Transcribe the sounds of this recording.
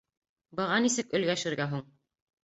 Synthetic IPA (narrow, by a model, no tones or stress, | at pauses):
bɤ̆ʁɑnisɘkɵ̆lɡæʃɘ̆ɾɡæɦuɴ